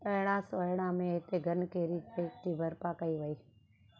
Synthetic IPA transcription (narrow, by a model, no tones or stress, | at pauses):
əːɽ̃ãːsojɽ̃ãːmẽɪt̪eɡʱənkeːɾit͡ʃeːk̚t̪ʰiːbʱəɾpakəiːʋəiː